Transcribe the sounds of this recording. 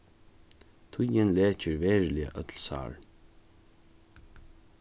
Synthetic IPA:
t̪ʰʊjɪnlɛːt͡ʃɪɹvɛːɹlɪa̰ʔœt̪lsa̰ːɹ

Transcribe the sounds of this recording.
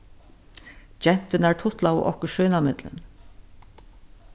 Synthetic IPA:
d͡ʒɛn̥t̪ənæːɹʈʰʊt̪lao̰ːʔɔkəʃœːnamɪd̪lə̰n

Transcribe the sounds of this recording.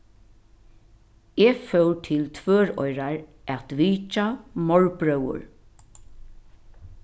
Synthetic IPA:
ɛːfœwt̪ʰɪlt̪ʰvøːɹɔ̰jɾaɹ | ʔɛt̪ʋiːt͡ʃamɔɹpɹœwʊ̰ɹ

